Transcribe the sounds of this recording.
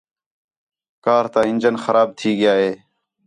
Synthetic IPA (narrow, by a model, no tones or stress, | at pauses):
kaːɾt̪ãːɪnd͡ʒənxəɾaːb̚t̪ʰiːɡɪjaːɦeː